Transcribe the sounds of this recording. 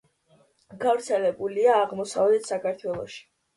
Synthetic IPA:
ɡ̥avɾt̪sʰɛlɛbuliaːʁmɔsa̰vlɛt̪sakʰaɾt̪ʰwɛlˠɔʃi̥

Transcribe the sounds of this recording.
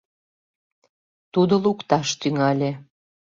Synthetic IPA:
t̪ud̪olukt̪ɑʃt̪yŋɑlʲe

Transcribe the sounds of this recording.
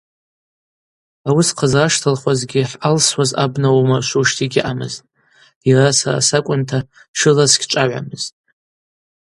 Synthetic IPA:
awisqʰazaʂtʰalχʷazɡʲɪħʔalswaza̰bnawamarʃʷuʂtʰiɡʲɪʔamɨztʼ | jirasa̰ra̰sakʷʼʊntʰa | ʃɨlasɡʲʼʈ͡ʂʼaʕʷa̰mɨz̥tʼ

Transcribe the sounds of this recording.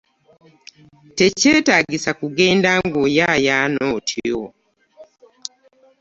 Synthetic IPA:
te̞ce̞ːtaːɡisakuɡe̞ːndaŋɡojajaːnoːtʰio̰

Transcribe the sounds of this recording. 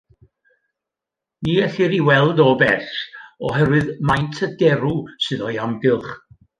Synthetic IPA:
niːɛɬɪɾiwɛlˠdɔbɛɬɔ̰ɦɛɾwɨðmajntʰədɛɾusɨðɔjamɡɨlˠχ

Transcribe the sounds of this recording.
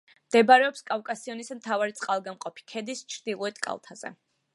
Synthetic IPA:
md̪̥ɛbaɾɛɔpskʼavkʼasiɔnismt̪ʰavaɾit̪sʼqʼalˠɡamqʼɔpʰi̥kʰɛd̪ist͡ʃʰɾd̪ilˠɔɛt̪ʼkʼa̰lˠt̪ʰaz̥ɛ̰

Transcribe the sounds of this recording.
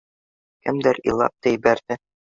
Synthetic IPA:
kɘmd̪ɘɾḭlˠɑ̰p̚t̪ɑjibæɾd̪ɘ

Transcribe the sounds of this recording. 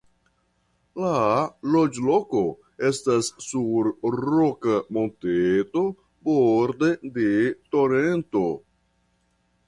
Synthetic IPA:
lalod͡ʒloko̞ | e̞stasːuɾɾokamonteto̞ | boɾdede̞to̞ɾento̞

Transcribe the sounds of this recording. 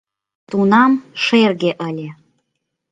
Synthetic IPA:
t̪unamʂerɡʲeʔəlʲe

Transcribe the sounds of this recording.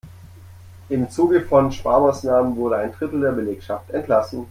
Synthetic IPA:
ʔɪmt͡suːɡəfɔnʃpaːɐmaːsnaːmənvʊɐɾəaɪnd̥ʁɪtl̩deːɐbəleːkʃaftɛntlasn̩

